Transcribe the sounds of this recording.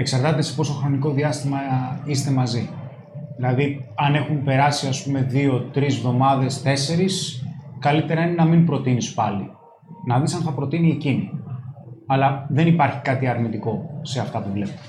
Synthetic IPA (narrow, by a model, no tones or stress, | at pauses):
e̞ksɐɾt̪ɐt̪esi̥po̞soxɾo̞niko̞ðiɐst̪imɐist̪e̞mɐzi | ðilɐðiɐne̞xumpe̞ɾɐsiɐspume̞ðio̞t̪ɾizvðo̞mɐðe̞st̪e̞se̞ɾiskɐlit̪e̞ɾɐine̞nɐmimpɾo̞t̪inispɐli | nɐðisɐnθɐpɾo̞t̪iniecini | ɐlɐðe̞nipɐɾçi̥kɐt̪iɐɾmit̪iko̞se̞ɐft̪ɐpuvlep̪